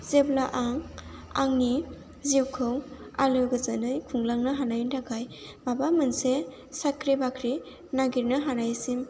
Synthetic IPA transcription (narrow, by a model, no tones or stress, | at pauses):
zeblaʔaŋa̰ŋni | ziwkʰɯw | alɯɡɯzanɯjkʰuŋlaŋnɯɦanajndaɡaj | mabamɯnse | sakɾibakʰɾi | naɡiɾnɯɦanajsim